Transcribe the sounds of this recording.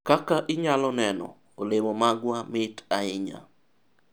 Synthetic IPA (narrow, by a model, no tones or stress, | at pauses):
kakaʔɪɲalɔnɛnɔ̰ | olemɔmaɡwamɪtaɪɲa̰